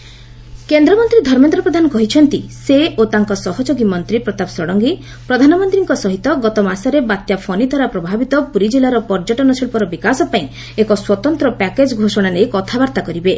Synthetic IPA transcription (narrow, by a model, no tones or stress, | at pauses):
kend̪ɾɔmɔnt̪ɾid̪ʱɔɾmɔnt̪ɾɔpɾɔd̪ʱanɔkɔɦit͡ʃʰɔnt̪iseot̪aŋkɔsɔɦɔd͡ʒoɡimɔnt̪ɾipɾɔt̪apsɾɔɽɔŋɡi | pɾɔd̪ʱanɔmɔnt̪ɾiŋkɔsɔɦit̪ɔɡɔt̪ɔmasɔɾebat̪japʰɔnid̪ʱaɾapɾɔbʱabit̪ɔpuɾid͡ʒilaɾɔpɔɾd͡ʒɔʈɔnɔsiɭpɔɾɔbikasɔpaĩ | ekɔswɔt̪ɔnt̪ɾɔpɛked͡ʒɡʱosɔɽ̃anejkɔt̪ʰabaɾt̪akɔɾibe